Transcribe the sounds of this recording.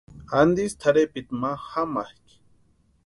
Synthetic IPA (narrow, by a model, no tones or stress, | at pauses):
and̪ist̪ʰaɾepit̪mahamahk